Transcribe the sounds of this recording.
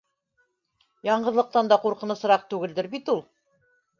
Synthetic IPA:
jɑɴɢɤ̆ðlˠɤ̆q̚t̪ɑnd̪ɑquɾqɤ̆nɤ̆sɤ̆ɾɑq̚t̪ʉɡɘ̆ld̪ɘɾbit̪ulˠ

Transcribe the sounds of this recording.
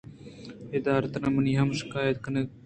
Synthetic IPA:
ɪd̪aːɾət̪ɾãːməniːɦɐmʃɪ̥kaːjət̪̚kɐne

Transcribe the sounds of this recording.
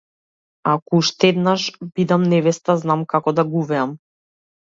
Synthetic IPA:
akɔuʃt̪ɛd̪naʃbid̪amnɛvɛst̪aznamkakɔd̪aɡuvɛam

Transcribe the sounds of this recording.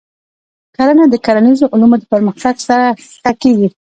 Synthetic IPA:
kaɾanad̪əkaɾanizoʔʊlumod̪əpəɾməxt̪aɡsaɾa | xakeɡi

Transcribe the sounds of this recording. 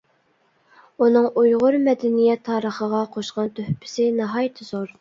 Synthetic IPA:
unɨŋujʁʊɾmɛd̪ɛnijɛt̪ʰːɑːɾəχəʁɑqʰoʃqɑnt̪ʰøhpʰɪ̥sɪnɑɦɑjt̪ʰɨzoɾ

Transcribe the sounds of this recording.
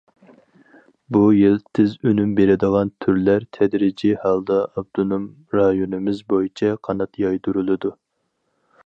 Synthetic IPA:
bujilt̪ʰɪzønymbeɾɪd̪əʁɑnt̪ʰyɾlæɾt̪ʰɛd̪ɾɪd͡ʒihɑlˠd̪ɑɑbd̪̥unum | ɾɑjonɨmɪzbojit͡ʃʰɛqʰɑnɑt̪jɑjd̪uɾulˠɨd̪u

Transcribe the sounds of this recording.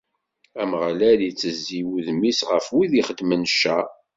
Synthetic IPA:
æməʁlæljit͡sːəzːiwuðmisʁəfwiðiχəd̪ːmənʃːæ

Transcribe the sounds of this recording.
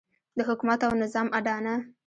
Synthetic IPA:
d̪əɦʊkumat̪awnɪzɑmʔaɖɑna

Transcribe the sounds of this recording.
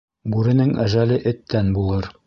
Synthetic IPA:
bʉɾɘ̆nɘŋæ̰ʒælɘʔɘ̆t̪ːænbulˠɤɾ

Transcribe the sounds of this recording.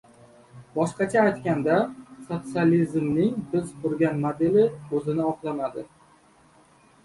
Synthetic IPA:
bɒʃqɑt͡ʃʰaːjt̪kʲand̪asot̪sɨalizmnɪŋbɪzqʰʊɾɡʲanmod̪elɪɵzɪnɪɒqlˠamad̪ɪ

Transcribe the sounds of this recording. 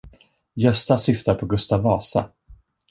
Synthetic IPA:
jœst̪asʏft̪aɾpʰɔɡɵst̪avɑːsa̰

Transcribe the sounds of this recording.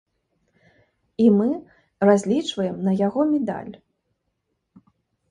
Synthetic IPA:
imɨ | razʲlʲit͡ʂvɐjɛmnɐjaɣɔmʲɛd̪a̰lʲ

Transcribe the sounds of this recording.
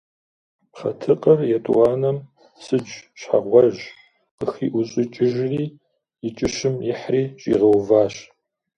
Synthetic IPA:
pχɐ̰tʰɨqʼɐrjɛtʼuwaːnɐm | sɨd͡ʒʼɕħa̰ʁʷɔʒ | qəxiːʔʊɕʼɪt͡ʃʼɪʒriː | ɪt͡ʃʼɪʃɨmjɪħriːɕʼḭːʁɐwvaːɕ

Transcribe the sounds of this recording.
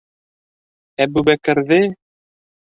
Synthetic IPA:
æbʉbækɘ̆ɾðɘ

